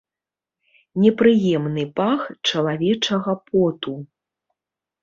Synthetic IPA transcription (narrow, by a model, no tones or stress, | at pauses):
nʲɛpɾɨjɛmnɨpaxt͡ʂɐlˠavʲɛt͡ʂɐɣɐpʰɔt̪u